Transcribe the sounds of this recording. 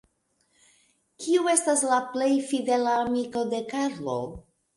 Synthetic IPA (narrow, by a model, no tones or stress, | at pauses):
kʰiue̞staslaple̞jfide̞laːmiko̞de̞kaɾlo̰